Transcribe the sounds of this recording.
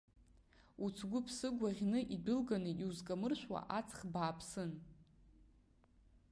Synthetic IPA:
ut͡sʰɡʷʊpʰsɨɡʷaʁʲnɨʔidʊlɡanɨʔiuzkʼamɨrʃʷᶣwa̰ʔat͡sʰχbaːpʰsɨn

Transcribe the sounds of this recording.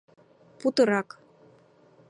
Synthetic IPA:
put̪ɤ̆ɾɑk

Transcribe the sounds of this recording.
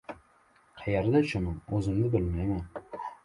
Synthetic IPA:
qʰɑjaɾd̪at͡ʃʰʊmɪmɵzɪmd̪ɪbɪlmajman

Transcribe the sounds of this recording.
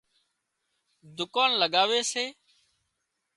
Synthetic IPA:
d̪ʊkaːnləɠaːʋeːseː

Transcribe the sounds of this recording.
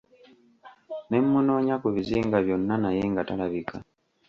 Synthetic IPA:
ne̞mːuno̞ːɲakuβiziːŋɡaβjo̞nːanajeŋɡatalaβikʰa

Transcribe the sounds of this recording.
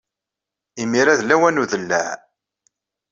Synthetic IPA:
imiɾæðlæwænuðəlːæ̰ʕ

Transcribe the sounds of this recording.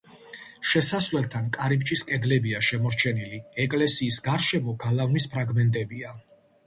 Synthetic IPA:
ʃɛsasvlɛlˠt̪ʰankʼaɾipt͡ʃʼiskʼɛd̪lɛbiaʃɛmɔɾt͡ʃʰɛniliɛkʼlɛsiːsɡaɾʃɛmɔɡalˠavnispʰɾaɡmɛnt̪ʼɛbia

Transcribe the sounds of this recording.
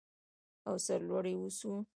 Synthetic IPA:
awsaɾlwaɽewusu

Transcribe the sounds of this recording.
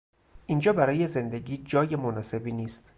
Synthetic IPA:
ʔind͡ʒɒːbæɾɒːje̞ze̞nd̪e̞ɡiːd͡ʒɒːjemonɒːse̞biːniːst̪

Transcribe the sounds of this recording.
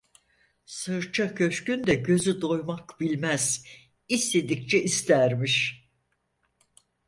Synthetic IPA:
sɯɾt͡ʃʰacʰø̞ʃcynd̪ɛɟø̞zyd̪o̞jmakbilʲmæz̥ | ist̪e̞d̪ict͡ʃʰɛʔist̪æɾmiʃ

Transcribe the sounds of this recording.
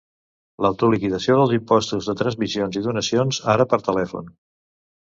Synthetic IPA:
ləwt̪ulikiðəsioðəlˠzimpɔst̪uzðət̪ɾənzmizionziðunəsionzaɾəpəɾt̪əlɛfṵn

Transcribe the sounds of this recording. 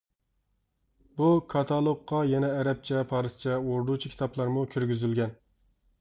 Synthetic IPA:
bukʰɑt̪ʰɑlˠokqːɑjɛnɛːɾɛp̚t͡ʃʰɛpʰɑːɾɨst͡ʃʰɛoɾd̪ut͡ʃʰikʲʰi̥t̪ʰɑplˠɑɾmukʲʰyɾɡʲyzylɡʲɛn

